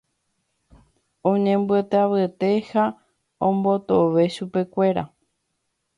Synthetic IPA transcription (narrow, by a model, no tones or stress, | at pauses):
õɲẽ̞mbɨet̪eaβɨt̪e̞ha | õmbo̞t̪oʋe̞ʃupe̞kʷe̞ɾa̰